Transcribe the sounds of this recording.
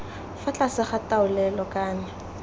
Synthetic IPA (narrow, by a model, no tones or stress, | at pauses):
fat͡ɬʼasɪχataʊlɛlɔkʼaːnɪ